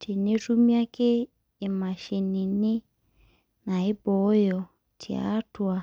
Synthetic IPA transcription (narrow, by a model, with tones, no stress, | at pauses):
tʰi˨ne˦tu˦mi˦a˦keː˦˨ | ma˨ʃe˨ni˨ni˦ | na˨i˦bɔ˨˦jɔ˨ | tʰḭ˨a̰˨˦twa˨